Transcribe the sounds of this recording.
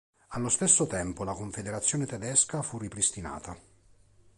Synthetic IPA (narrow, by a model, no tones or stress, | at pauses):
alːost̪esːot̪ɛmpolakoɱfed̪eɾat̪sːjoːnet̪ɛd̪ɛskafurːipɾist̪ina̰ːt̪a